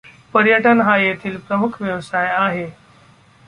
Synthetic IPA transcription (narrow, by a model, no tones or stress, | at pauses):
pəɾjəʈənɦajet̪ʰiːlpɾəmukʰʋjəʋsajaɦe